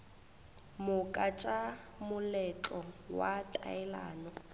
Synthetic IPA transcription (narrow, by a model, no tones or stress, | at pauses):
mʊkʼat͡ʃʼa | mʊlɛt͡ɬʼɔwatʼa̰ɛla̰ːnɔ